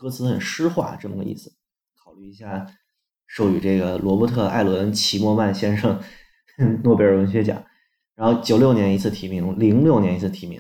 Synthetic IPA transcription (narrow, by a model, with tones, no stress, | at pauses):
kɤ˥t͡sɹ̩˧˥xə̰˨˩nʂɻ̩˥xwa̰˥˩ʈ͡ʂɤ˥˩mə̰˨˩ɡə̰˧ḭ˥˩sɹ̩˩ | kʰɑ˨˩ʊly˥˩i˧˥ɕja˥˩ | ʂo˥˧˩ʊy˨˩ʈ͡ʂɤ˥˩ɡə˩lwɔ˧˥pɔ˥t̪ʰɤ˥˧a̰˥˩ɪlwə˧˥nt͡ɕʰi˧˥mwɔ˥˧ma˥˩nɕjɛ˥nʂɤ˥˩ŋ | nwɔ˥˩pjɛ˥˩ɻwə˧˥nɕɥɛ˥t͡ɕjɑ̰˨˦ŋ | ɻa˧˥nxo˥˧ʊt͡ɕjo˨˩ʊljo˥˩ʊnjɛ˧˥ni˧˥t͡sʰɹ̩˥˩t̪ʰi˧˥mi˧˥ŋli˧˥ŋljo˥˩ʊnjɛ˧˥ni˧˥t͡s̩ʰ˥˩t̪ʰi˧˥mḭ˧˥ŋ